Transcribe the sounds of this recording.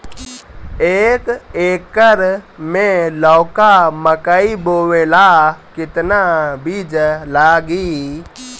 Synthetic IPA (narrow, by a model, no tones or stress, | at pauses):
eːkeːkːəɾmẽlɔːkaməkaiboːwelaːkɪt̪nabiːd͡ʒlaːɡi